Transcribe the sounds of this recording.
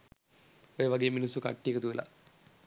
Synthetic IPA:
ojeʋɐɡeeminisːukɐ̰ʈːijekɐt̪uʋila̰

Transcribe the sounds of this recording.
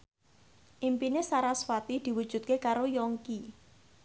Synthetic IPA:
ʔimpinesaɾaswat̪id̪̥i̤wu̥ʒ̥ṳt̪̚kekaɾojɔŋki

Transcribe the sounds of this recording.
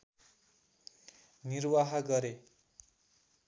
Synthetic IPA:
nirwaɦʌɡʌɾe

